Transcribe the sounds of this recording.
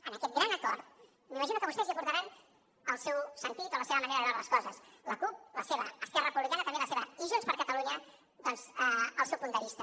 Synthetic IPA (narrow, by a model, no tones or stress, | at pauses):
ənəkɛt̪̚ɡɾanəkɔɾt̪̚ | mimɐʒinukəβust̪ɛziɐpuɾt̪aɾan | əlˠsɛwsənt̪it̪oləseβəməneɾəðɾaləskɔzəsləkup̚ləseβəːskɛrərəpuβlikanət̪mbeləseβəiʒunspəɾkət̪əluɲə | ðɔnzəəlˠsɛwpund̪əβist̪ə